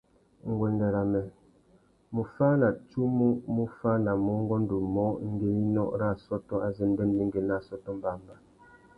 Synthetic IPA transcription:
ŋ̩˨ɡwɛ˨ndɛ˨ɾa˨mɛ˨ | mu˨fa˦na˨t͡ʃu˦mu˦mu˦fa˦na˨mɔ˨˦ŋ˦ɡɔ˦n̩˦du˨mɔ˨˦ŋ̩˦ɡe˦ni˦nɔ̰˦ʔɾa˦˨sɔ˦tɔ˦a˨ze˦˨m˦bɛ˦nbi˦ŋ˦ɡe˨na˦˨sɔ˦tɔ˦m˦ba˦˨mba˨

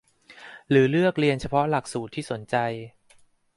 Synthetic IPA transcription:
ɾɯː˩˦lɯ˥˩ək̚ɾi˧ənt͡ɕʰa˧pʰɔ˦˥la˨˩k̚suː˨˩t̪ʰːiː˥˩so˩˦nt͡ɕa˧j

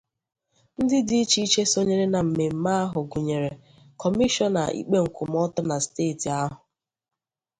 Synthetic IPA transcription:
n̩˦dɪ˦di˨˦i˦t͡ʃi˦i˦t͡ʃe˦so˦ɲe˦ɾe˦na˨m̩˨me˨m̩˦ma˦a˦ɦʊ˨ɡu˨ɲe˨ɾe˨ | kʰɔ˨mi˦ʃɔ˦na̰˨ḭ˦k͡pe˦ŋ̩˨kʷʊ˨m̩˦ɔ˦tʊ˦na˨steː˦˨ti˨a˦ɦʊ˨

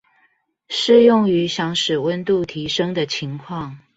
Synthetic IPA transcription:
ʂɻ̩˥˧jʊ˥˩ŋy˧˥ɕjɑ˧˥ŋʂɻ̩˨˩wə˥˦nt̪u˥˨t̪ʰi˧˥ʂə˥ŋd̪ə˨t͡ɕʰi˧˥ŋkʰwɑ˥˨ŋ

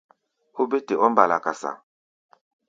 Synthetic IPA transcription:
ho˦be˦te˨ʔɔ˦mba˨la˨ka˨sa̰˨

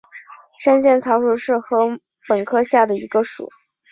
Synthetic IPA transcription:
ʂa˥nɕjɛ˥˩nt͡sʰɑ˧˥ʊʂu˧˥ʂɻ̩˥˩xɤ˧˥ | pə˨˩nkʰɤ˥ɕja˥˩d̪ə˩ḭ˧˥ɡə˧ʂṵ˨˩˦

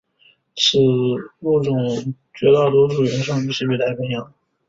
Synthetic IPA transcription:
ʂɻ̩˥˩ku˥˩ʈ͡ʂʊ˨˩ŋ | t͡ɕɥɛ˧˥t̪ɑ˥˩ʊt̪wɔ˥ʈ͡ʂu˨˩ɥɛ˧˥ʂɑ˥˧ŋy˥˩ɕʰɛ˧˥we˥˩ɪlʰa˧˥ɪpʰɛ˧˥njɑ˧˩˦ŋ

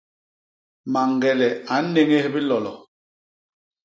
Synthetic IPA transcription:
ma˨ŋ˨ɡɛ˨lɛ˨a˨˦ne˦ŋe˦hbi˦lɔ˨lɔ˨

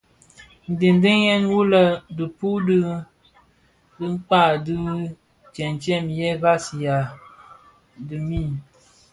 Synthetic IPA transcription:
n̩˨di˨n˦di˦jɛ˦nwu˦lə˦dɨ˨pu˦dɨ˦ | dɨ˦ŋ͡mk͡pa˦˨dɨ˦ | t͡ʃɛ˨nt͡ʃɛ˦˨mjɛ˦ɣa˦si˨ja˨ | dɨ˨mi˦˨

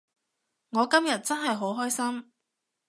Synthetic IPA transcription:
ŋɔː˨˧kɐ˥mjɐ˨t̚t͡sɐ˥nɦɐ˨jɦo˨˥wɦɔː˥jsɐ˥m

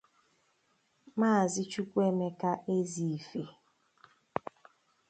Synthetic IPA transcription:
maː˦˨zɪ˦t͡ʃu˦kʷe˦me˦ka˦ʔe˦zi˨fe˨

